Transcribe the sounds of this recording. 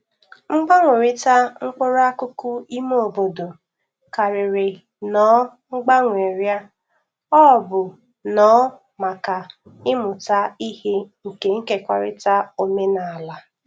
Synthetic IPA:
ŋ͡m̩˦ɡ͡ba˦ŋʷe˨ɾɪ˦ta˦ŋ͡m̩˦k͡pʊ˦ɾa˦kʊ˦kʊ˦i˦m˦o˨bo˨do˨ | ka˨ɾɪ˨ɾɪ˨ | nɔ˨˦ŋ͡m̩˦ɡ͡ba˦ŋʷe˨ɾja˦ | ɔ˦˨bʊ˨ | nɔ˦ | ma˨ka˨ | ɪ˦mʊ˨ta˦i˦he˦ŋ̩˨ke˨ŋ̩˦ke˨kʷa̰˨ɾɪ̰˦ta˦o˨˦me˦na˨la˦

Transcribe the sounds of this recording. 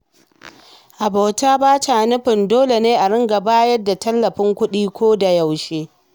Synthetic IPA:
ʔa˨ba˨wtaː˦baː˦ta˨nʊ˦ɸɪ˨ndoː˦le˨neː˦ʔa˨ɽɪ˦ŋɡa˨baː˦jɐ˦dːa˨tɐ˦lːɐ˨ɸɪ˦ŋkʷʊ˦ɗiː˦kʷoː˦da˨ja˨wʃeː˦

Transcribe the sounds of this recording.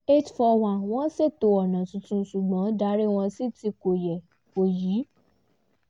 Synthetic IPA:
e˦tfɔ˧w̃ã˨w̃ɔ̃˦se˦˨to˧ɔ˨nã˨tũ˧tũ˧˦su˨ɡ͡bã˨˦da˨˦ɾi˦w̃ɔ̃˧si˦˨ti˧ko˨jɛ˨ | ko˨jiː˨˦

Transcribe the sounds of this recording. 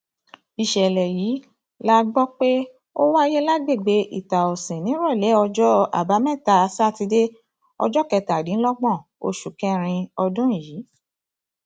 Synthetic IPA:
i˨ʃɛ˨lɛ˨jiː˨˦ | la˦ɡ͡bɔ˦k͡pe˦ | o˦wa˦˧˦je˦la˦ɡ͡be˦˨ɡ͡be˨˦ʔḭ˦˨ta˨ɔ˨sɛ̃˨nĩ˨˦ɾɔ˦˨lɛ˨˦ɔ˧d͡ʒɔ˦a̰˨ba˨˦mɛ̃˦˨ta˨˧˦sa˦˨ti˧de˦ | ɔ̰˧d͡ʒɔ˦kɛ˧ta˨dĩ˨˦lɔ˦ɡ͡bɔ̃˦˨ | o˧ʃu˨kɛ̃˦ɾ̃ĩ˧ɔ˧dɔ̃˦˨jiː˨˦

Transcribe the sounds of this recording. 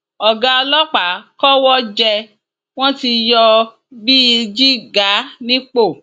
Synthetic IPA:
ɔ˨ɡa˧ɔ˧lɔ˦k͡pa˨˦kɔ˦wɔ˦d͡ʒɛ˧ | w̃ɔ̃˦ti˧jɔ˧ | bi˦i˧d͡ʒi˦ɡa˨˦nĩ˦k͡po˦˨

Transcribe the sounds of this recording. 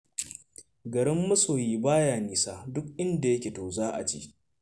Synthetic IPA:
ɡɐ˨ɽɪ˦mːɐ˦soː˨jiː˦baː˦jaː˨niː˨saː˦dʊ˦k̚ʔɪ˦nda˨jɐ˦kʲeː˨toː˨zaː˦ʔa̰˨t͡ʃḭː˦

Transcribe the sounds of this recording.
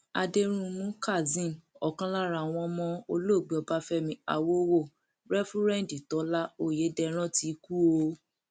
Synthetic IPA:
a̰˧de˧ɾ̃ũ˧mũ˦ka˦˨zĩ˦˨nɔ˨kã˦la˦ɾa˧˨w̃ɔ̃˧mɔ̃˦o˧lo˦˨ɡ͡be˨ɔ˧ba˦fɛ˦mĩ˧˦a˨wo˦wo˦˨ | ɾɛ˦fu˦ɾɛ̃˦n˨di˨tɔ˨˦la˦o˦˨je˨˦dɛ˧ɾ̃ɔ̃˦ti˨˦ku˦o˧˦

